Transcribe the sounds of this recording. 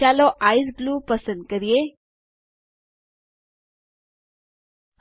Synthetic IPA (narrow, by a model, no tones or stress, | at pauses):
aloʔaːisɡluːpəsə̃nd̪̚kəɾije